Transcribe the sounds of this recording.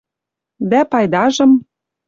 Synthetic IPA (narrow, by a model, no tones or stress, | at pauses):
d̪æpɑjd̪ɑʒɤ̆m